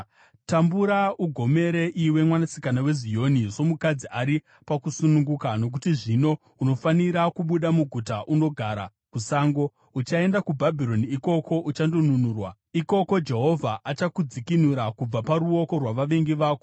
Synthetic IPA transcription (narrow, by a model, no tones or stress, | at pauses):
tambuɾauɡʱo̞me̞ɾe̞ʔiwe̞mwanasi̥kanawe̞zijo̞niso̞mukad͡ziʔaɾi | pakusunuŋɡukano̞k̬utiʐino̞ | uno̞faniɾakuɓuɗamuɡʱutaʔuno̞ɡʱaɾa̰ | kusaːŋɡo̞ | ut͡ʃae̞ndakubʱabʱiɾo̞niiko̞ko̞ʔut͡ʃandonunuːrwa | iko̞ko̞d͡ʒe̞ɦo̞vʱaʔat͡ʃakud͡zikinuɾakub͡vapaɾuo̞ko̞rwaʋaʋe̞ŋɡiʋaːko